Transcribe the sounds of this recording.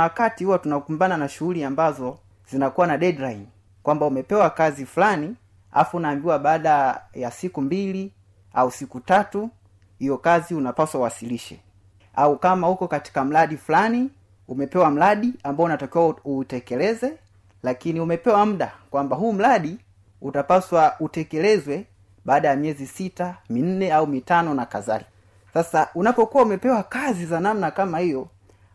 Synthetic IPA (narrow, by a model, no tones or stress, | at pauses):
wakatihuatunakumbananaʃuuliambazɔ | z̥inakuwanaɗɛɗlajn | kwambaumɛpɛwakazifulani | a̰funaːmbiwaɓaːɗajasikumbili | ausikutatu | hijɔkaziunapaswauwasiliʃɛ̰ | aukamahukɔkati̥kam̩laɗifulani | umɛpɛwam̩laɗiambaɔunatakiwautɛkɛlɛzɛ | lakiniumɛpɛwam̩ɗakwambaɦuːm̩laɗi | utapaswautɛkɛlɛzwɛ | ɓaːɗajamiɛzisitamin̩nɛaumitanɔnakaza̰li | sasaʔunapɔkuwaumɛpɛwakazizanamnakamahijɔ